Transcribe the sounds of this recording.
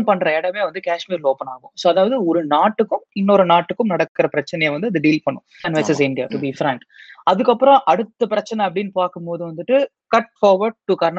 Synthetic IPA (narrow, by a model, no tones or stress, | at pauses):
pɐɳːɾɐɛɽɐmeːʋɐnd̪ɯkaːʂmiːɾloːpɐnaːɣʊ̰̃soːɐðaːʋɐðɯɔɾɯnaːʈːɯkːɯmɪnːoɾɐnaːʈːɯkːɯmnɐɽɐkːɯɾɐpɪɾɐt͡ʃːɐnɛjeːʋɐnd̪ɯɐðɯɖiːlpɐɳːʊ̃ɐnʋɐsɐsɪɳɖɪja̰ːʈubifɾɐ̃ɳʈ | ɐðɯkːɐpːɯɾɔ̃ʔɐɽɯt̪ːɐpɪɾɐt͡ʃːɐnɛɐp̬ːɐɽinpaːkːɯmpoːðɯ̃ʋɐnd̪ɯʈːɯ | kɐʈ̚faːɾʋɐɾɖ̚ʈːukɐɾn